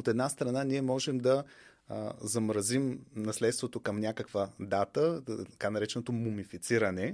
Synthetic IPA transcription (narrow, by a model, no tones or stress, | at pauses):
ot̪ɛd̪nast̪ɾɐnaniɛmɔʒɛmd̪ɐ | zɐmɾɐzimnɐslɛt̪st̪vot̪okɐmnʲjakəkvəd̪at̪ət̪ɐkanɐɾɛt͡ʃɛnot̪omomifit̪siɾənɛ